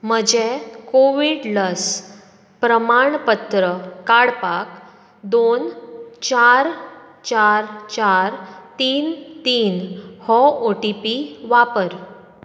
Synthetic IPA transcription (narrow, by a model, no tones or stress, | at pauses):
m̤əd͡ʑekoʋiɽləs | pɾəmaɳpət̪ɾəkaɽpak | d̪ont͡ɕaɾ | t͡ɕaɾt͡ɕaɾt̪iːnt̪iːnhɔoʈipiʋapəɾ